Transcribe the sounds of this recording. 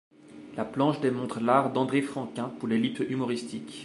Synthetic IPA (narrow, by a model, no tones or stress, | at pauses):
laplɑ̃ʃd̪emɔ̃t̪χəlaʁd̪ɑ̃d̪ʁefχɑ̃kʲɛ̃puʁlelipymɔʁist̪ikʲ